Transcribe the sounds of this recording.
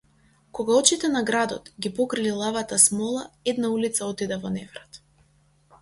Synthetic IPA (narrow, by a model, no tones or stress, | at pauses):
kɔɡaɔt͡ʃit̪ɛnaɡɾad̪ɔ̰t̪ɡʲipɔkɾililˠavat̪asmɔlˠaɛd̪naulit̪saɔt̪id̪ɛvɔnɛvɾat̪